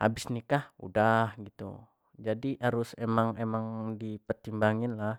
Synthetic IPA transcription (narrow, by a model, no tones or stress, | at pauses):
ha̰bɪsnikahṵdahɡit̪ṵ | d͡ʒadiʔaɾʊsemaŋemaŋdipərt̪imbaŋɪnlah